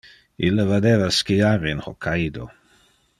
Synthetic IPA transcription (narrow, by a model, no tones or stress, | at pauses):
ilːəvad̪eːvaskiaɾinhokʰajd̪o̰